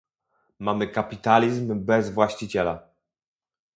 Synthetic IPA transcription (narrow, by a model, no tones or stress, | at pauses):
mamɘkapʲit̪alʲizmbɛzvwaɕt͡ɕit͡ɕɛla̰